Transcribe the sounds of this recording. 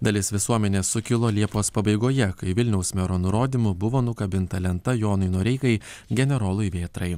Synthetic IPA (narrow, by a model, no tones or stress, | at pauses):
d̪ɐlʲɪsʋʲɪsuɔmʲɛnʲeːsʊkʲɪlˠoːlʲiɛpoːspɐbɐɪɡoːjɛkɐɪʋʲɪlʲnʲɛʊsmʲɛɾoːnʊɾoːd̪ʲimʊbʊʋoːnʊkɐbʲɪnt̪ɐlʲɛnt̪ɐjoːnʊɪnuɔɾʲɛɪkɐɪ | ɡʲɛnʲɛɾoːlˠʊjʋʲeːt̪ɾɐɪ